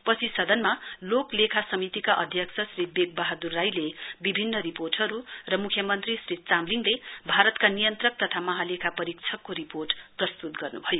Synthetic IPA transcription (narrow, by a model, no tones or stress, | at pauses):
pʌsʰisʌd̪ʌnmaloklekʰasʌmit̪ikaʔʌd̪ʱjʌksʰʌsribek̚bʌɦad̪urːajlebibʱinːʌɾiporʈʌɾurʌmukʰjʌmʌnt̪risrit͡samliŋlebʱaɾʌt̪kanijʌnt̪rʌk̚t̪ʌt̪ʰamʌɦalekʰapʌɾik̚t͡sʰʌkːoɾiporʈprʌst̪ut̪ɡʌrnṵbʱʌjo